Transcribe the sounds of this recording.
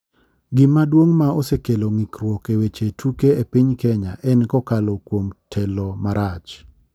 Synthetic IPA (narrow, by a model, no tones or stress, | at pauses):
ɡɪmadwoŋmaosekeloŋikɾwɔkewet͡ʃetʰukeepɪɲkɛɲa̰ʔɛnkɔkalokwomtʰɛlɔmaɾʔat͡ʃ